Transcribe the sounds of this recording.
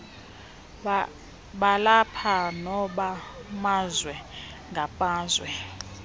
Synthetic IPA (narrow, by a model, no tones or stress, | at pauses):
ɓalapʰanɔɓamazwɛ | ŋɡʱapʼaːzwɛ